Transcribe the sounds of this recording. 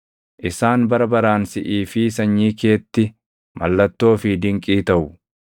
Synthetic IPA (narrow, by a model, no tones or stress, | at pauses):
ʔɪsaːnbɐɾɐbɐɾaːnsɪʔiːfɪsɐɲːiːke̞ːt̪ːɪ | mɐ̰lːɐt̪ːo̞ːfɪd̪ɪŋkʼiːt̪ɐʔʊ